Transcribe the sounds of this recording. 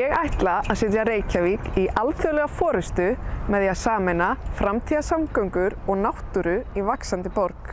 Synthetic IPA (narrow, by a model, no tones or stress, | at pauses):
jɛɣajht̪laaðsɪt̪̬jaɾeːjcaviːkiʔalθœlɛɣafɔːɾʏst̪ʏmɛðjaðsaːmɛnafɾamt̪ʰiðasamkœɥŋkʏɾɔɣnawht̪ʏɾʏivaksant̪ɪpɔɾk